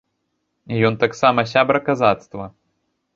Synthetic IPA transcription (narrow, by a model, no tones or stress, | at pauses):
ijɔnt̪aksamɐsʲabɾɐkazat̪st̪vɐ